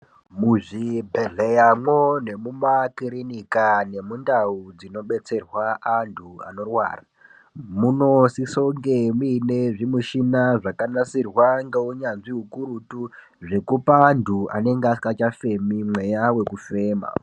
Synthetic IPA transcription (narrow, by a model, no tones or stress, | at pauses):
muʐibʱe̞ɮejamwone̞mumakiɾinikane̞mundaud͡zino̞ɓe̞t͡se̞rwaʔantʰua̰no̞rwa̰ːra | muno̞siso̞ŋɡemuineʐimuʃinaʐakanasirwaŋɡeuɲanʐiɦukuɾutu | ʐe̞kupaːndʱuʔa̰ne̞ŋɡaskat͡ʃafe̞mimwe̞jawe̞kufe̞ːma̰